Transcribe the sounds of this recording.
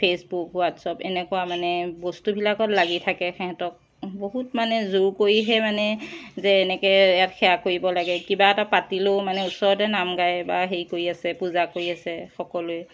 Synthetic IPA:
pʰesbukwatsɔpɛnɛkɔwamanɛbɔstubʱilakɔtlaɡitʰakɛxɛɦatɔk̚ | boɦutmanɛzoɹkoɹiɦɛmanɛzɛːnɛkɛɛjatxɛjakoɹibɔlaɡɛkibaɛtapatilomanɛʊsɔɹɔtɛnamɡajbaɦeɹikoɹiasɛpuzakoɹiasɛxɔkɔlʊɛ

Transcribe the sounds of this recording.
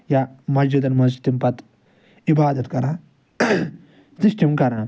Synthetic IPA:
jamɐzd͡ʒud̪ɐnmɐzd͡ʒit̪impɐt̪ | ibaːd̪ɐt̪kɐɾã | sisʈimkɐɾãː

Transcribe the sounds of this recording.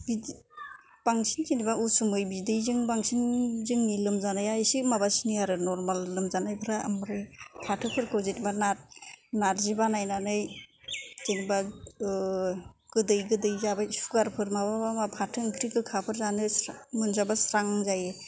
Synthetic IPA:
bi | b̥aŋsinkenibausumɯjbidɯjzɯŋbaŋsinzɯŋnilɯmzanajaisimabasiniaɾɯnɔɾmalːɯmzanajpʰɯɾaa̰mɾɯjpʰatʰɯpʰɯɾkʰɯwzetibanat̚naɾzibanajnanɯj | d͡ʒeniba | ɡ̥ɯdɯjɡɯdɯjzabasuɡaɾpʰɯɾmababamapʰatʰɯŋkʰɾikɯkʰapʰɯɾzanɯsmɯnzabasɾaŋzaje

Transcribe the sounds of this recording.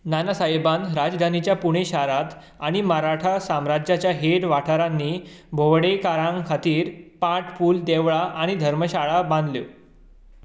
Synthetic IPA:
nanasaibanɾad͡zd̪ʱanit͡ɕjapuɽ̃eɕaɾat̪ | aɽ̃iməɾaʈʰasamɾad͡ʑjat͡ɕjaɦeʈʋaʈʰaɾanːiːbʱoʋɽekaɾãŋkʰat̪iːɾpãʈʰfuːld̪eʋɭaʔaɽ̃id̪ʱəɾməɕaɭabãnd̪ljo

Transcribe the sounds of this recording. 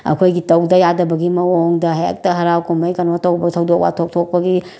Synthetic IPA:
ɐ̰kʰojɡitɐwdɐjadɐbɐɡimɐoŋdɐɦḛk̚tɐɦɐɾawkumɐjkɐnɔtɐwbɐtʰɐwdok̚wa̰tʰok̚tʰok̚pɐɡi

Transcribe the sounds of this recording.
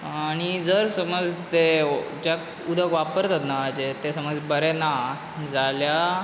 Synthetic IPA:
aɽ̃id͡zəɾsəməd͡zt̪ed͡ʑak | ud̪ʱəkʋapəɾt̪at̪naːd͡ʑet̪esəməd͡zbəɾɛna | d͡zalja

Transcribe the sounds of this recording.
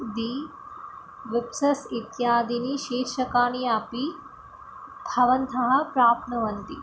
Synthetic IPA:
d̪i | ʋipsɐsit̪jaːd̪iniʃeːɾʃɐkaːniaːpi | bʱɐʋɐnt̪ʰɐɦɐ̆pɾaːpʰnɐʋɐnt̪i

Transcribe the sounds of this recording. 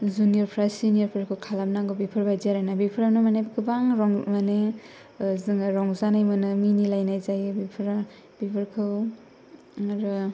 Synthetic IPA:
zunijɔɾpʰɾasinijɔɾpʰɾakʰɯwkʰalamnaɡɔbipʰɯɾbajzaɾanabipʰɾanɔmanebɡɯbaŋɾɔŋmane | zɯŋaɾɔŋzanajmɯnɯminilajnajzajɯbipʰɾa | bibʰɯɾkʰɯw | ɾɯ

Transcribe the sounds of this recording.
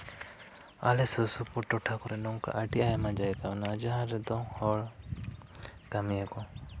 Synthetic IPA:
a̰lɛsəsupɔʈɔʈʰakɔɾɛnɔŋka̰ʔaʈiajamad͡ʒajkanad͡ʒaɦãɾɛd̪ɔ̃hɔɭ | kamijekɔ

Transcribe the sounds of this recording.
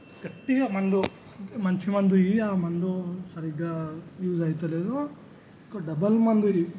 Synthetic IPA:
ɡ̥ɐʈːiɡɐmɐnd̪u | mɐnt͡ʃimɐnd̪uiaːmɐnd̪usɐɾiɡajuːd͡ʒɐːjt̪ɐleːd̪o | kɐɖɐbɐlmɐnd̪ui

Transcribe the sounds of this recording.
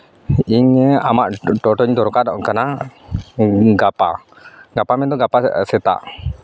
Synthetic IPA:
iŋəamaʔʈɔʈɔɲt̪uɾukaʔdaʔkəna | ɡapa | ɡapamɛnt̪uɡapaset̪a̰ʔ

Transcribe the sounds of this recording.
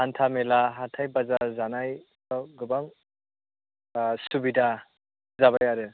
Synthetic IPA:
antʰamɛlaɦatʰajbazazanajsɔɡɯbaŋ | subida | zabajaɾɯ

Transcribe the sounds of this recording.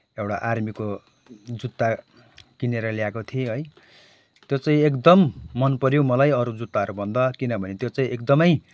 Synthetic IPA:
ewɽaʔarmiko | d͡zut̪ːa | kineɾʌliakot̪ʰieɦʌj | t̪jot͡saĩekd̪ʌmːʌnpʌɾjomʌlajʌɾud͡zut̪ːaʌɾubʱʌnd̪ʌkinʌbʱʌnet̪jot͡sãĩekd̪ʌmʌj

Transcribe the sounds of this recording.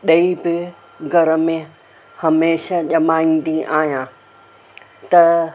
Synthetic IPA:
ɗɐibɪ | ɡʱɐɾəmẽ | hɐmeːʃaʄɐmaːĩn̆d̪iʔaːɦjãː | t̪ɐ

